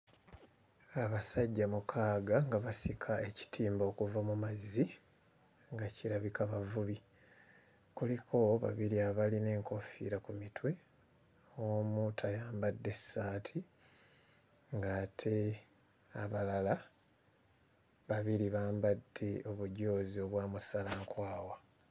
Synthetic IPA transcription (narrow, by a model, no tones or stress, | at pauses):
aβasaɟːamukʰaːɡaŋɡaβasikʰae̞ci̥tʰiːmbo̞ːkuvamumazi | ŋɡaciɾaβikaβavuβi | kulikʰo̞βa̰βiɾiaβaline̞ːŋko̞fḭɾakumitwe̞ | muːtʰajaːmbadːe̞sːaːtʰi | ŋɡaːtʰe̞ | aβalala | βaβiɾiβaːmbadːe̞ʔo̞βuɟo̞ːzio̞βwaːmusalaŋkwaːwa